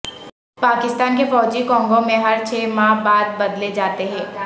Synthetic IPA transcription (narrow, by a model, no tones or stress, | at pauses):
paːkɪst̪aːnkefɔːd͡ʒikɔ̃ːŋɡõmẽɦɐɾt͡ʃʰeːmãːɦbaːd̪̚bɐd̪led͡ʒaːt̪eɦɛ̃ː